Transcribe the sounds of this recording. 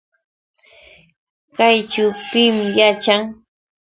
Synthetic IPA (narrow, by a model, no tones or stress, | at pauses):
kajt͡ʃawpɪmɪjat͡ʃaŋ